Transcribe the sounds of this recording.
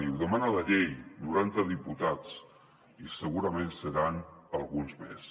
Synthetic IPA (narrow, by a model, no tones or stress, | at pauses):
niuðəmanələʎejnuɾant̪əðiput̪at͡s | isəɣuɾəmensəɾanəlˠɣunzmḛs